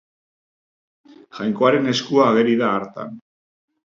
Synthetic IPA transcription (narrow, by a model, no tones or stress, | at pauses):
ʝajŋko̞aɾe̞ne̞skuaːɣe̞ɾiðaːɾt̪a̰n